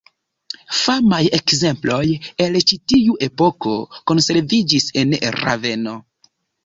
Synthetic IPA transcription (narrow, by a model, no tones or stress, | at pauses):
famajekze̞mplo̞je̞lt͡ʃitiuʔe̞po̞ko̞ko̞nse̞ɾvid͡ʒise̞nɾa̰ve̞no̞